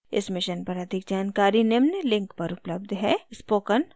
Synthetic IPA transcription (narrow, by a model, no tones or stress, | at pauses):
ɪ̰smɪʃənpɐɾɐd̪ʱɪk̚d͡ʒaːnkaːɾinɪmnəlɪ̃ŋkpɐɾʊpləb̚d̪ʱɦɛːspoːkən